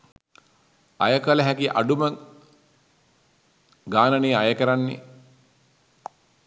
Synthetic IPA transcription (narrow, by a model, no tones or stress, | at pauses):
a̰jəkɐlɐɦækiʔa̰ɖumə | ɡaːnɐneːajəkəɾanːḛ